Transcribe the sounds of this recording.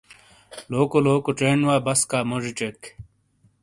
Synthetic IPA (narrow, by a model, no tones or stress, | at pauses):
loːkoloːkoʈ͡ʂeːɳwaːbɐskaːmoʐiʈ͡ʂek